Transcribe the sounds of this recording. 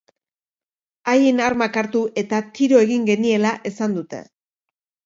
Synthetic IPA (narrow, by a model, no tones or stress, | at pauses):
aje̞naɾmakaɾt̪uʔe̞t̪at̪iɾo̞e̞ɣiŋɡe̞nie̞laʔe̞sand̪ut̪e̞̰